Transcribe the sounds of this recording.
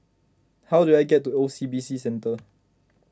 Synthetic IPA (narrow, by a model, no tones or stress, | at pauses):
haʊduajɡɛtːuosiːbiːsisɛ̃ntə